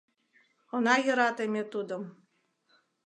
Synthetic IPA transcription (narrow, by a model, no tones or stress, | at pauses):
onɑjə̆ɾɑt̪emʲet̪ud̪ə̆m